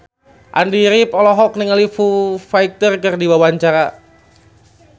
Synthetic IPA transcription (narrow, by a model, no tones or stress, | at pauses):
ʔa̰ndiɾipɔlɔɦɔk̚niŋalifufaik̚t̪ərkɨrdiwawaɲt͡ʃaɾa